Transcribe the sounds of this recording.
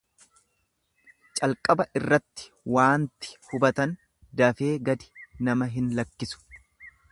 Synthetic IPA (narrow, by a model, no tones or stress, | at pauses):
t͡ʃʼɐlkʼɐbɐʔɪrːɐt̪ːɪ̥ | waːnt̪ɪ̥hʊbɐt̪ɐn | d̪ɐfe̞ːɡɐd̪ɪ̥nɐmɐɦɪnlɐkːɪsʊ̥